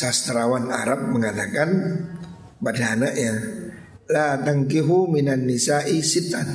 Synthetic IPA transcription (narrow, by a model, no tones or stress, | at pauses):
sast̪ɾawana̰ɾap̚məŋat̪akan | padaːnaʔɲa | lat̪aŋkiɦuminanːisaʔisit̪an